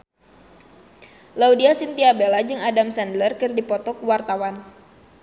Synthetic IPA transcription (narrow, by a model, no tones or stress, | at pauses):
laudiasint̪iabelad͡ʒɨŋadamsandlərkɨrdipɔt̪ɔkuwart̪awan